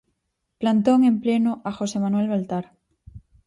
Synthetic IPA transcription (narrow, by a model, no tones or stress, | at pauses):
plant̪oŋẽmplenoʔaxosemanwelβalt̪aɾ